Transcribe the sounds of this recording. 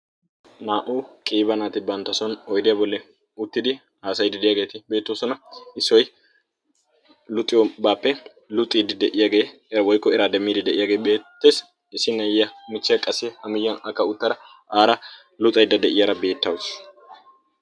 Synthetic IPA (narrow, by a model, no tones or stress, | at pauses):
naːʔukʼiːbɐnaːt̪ɪbɐnt̪ːɐsɔnɔjd̪ɪjɐbɔlːɛ | ʊt̪ːɪd̪ɪ | haːsɐjd̪ɪd̪ɪjaːɡe̞ːt̪ɪbe̞ːt̪ːoːsɔnɐɪsːɔj | lʊt̪ʼːɪjɔbaːpːɛ | lʊt̪ʼiːd̪ɪd̪ɛʔɪjaɡeː | ɛɾɐwɔjkːɔɛɾaːd̪ɛmːiːd̪ɪd̪ɛʔɪjaːɡebeːt̪ːe̞ːs | ɪsɪnːɐjːɐmɪt͡ʃːɪjɐkʼɐsːɛhɐmɪjːɐnɐkːɐʊt̪ːɐd̪ɐ | ʔaːɾɐ | lʊt̪ʼɐjd̪ɐd̪ɛʔɪjɐɾɐbe̞ːt̪ːɐws